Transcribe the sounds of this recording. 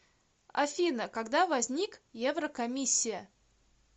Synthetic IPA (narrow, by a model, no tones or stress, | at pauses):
ɐ̰fʲinəkɐɡd̪avɐzʲnʲikjevɾəkɐmʲisʲːɪjə